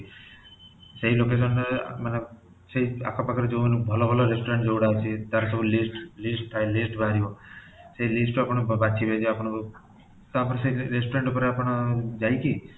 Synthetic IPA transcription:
seɦilokes̬ənːemane | seɦia̰kʰapakʰəɾd͡ʒomnũbʱɔlobʱɔloɾesʈoɾeɳʈd͡ʒoːɽat͡ʃʰit̪aɾsəbulisʈlisʈt̪ʰːaelisʈbʱaɾjo | seɦilisʈapɽ̃bat͡ʃʰibʱed͡ʒʰeapɽ̃ | t̪ɔapəɾseɦiɾesʈoɾeɳʈupəɾapəɽ̃d͡ʒajki

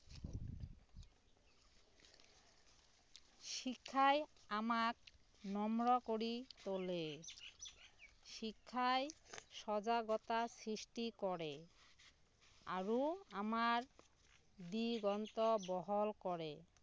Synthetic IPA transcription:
ʃikʰːajamak̚ | nɔmɾɔkoɾit̪ole | ʃikʰːaeʃɔd͡ʑaɡɔt̪asɾiʃʈikɔɾe | a̰ɾuamaɾ | d̪iɡɔnt̪ɔbɔɦolkɔɾe

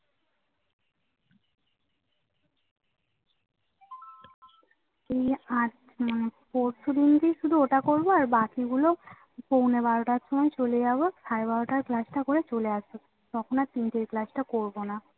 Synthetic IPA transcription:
ejad͡ʑ | manepoɾsud̪ind̪iʃud̪ʱuoʈakoɾboaɾbakiɡulo | pownebaɾoʈaɾʃomɔet͡ɕoled͡ʑabosʰaebaɾoʈaɾklasʈakoɾet͡ɕoleaʃo | t̪ɔkʰonat̪inʈeɾklasʈakoɾbona

